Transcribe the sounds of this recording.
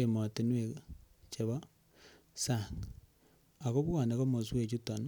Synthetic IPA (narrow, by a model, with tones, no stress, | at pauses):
e˨ma˨te˨nwe˨t͡ʃe˨βa˦ | sa˨ŋ | a˨ko˦βu˦ɣa˨ne˨ko˦mo˨s̬u˦we˨t͡ʃu˦ta˨n˦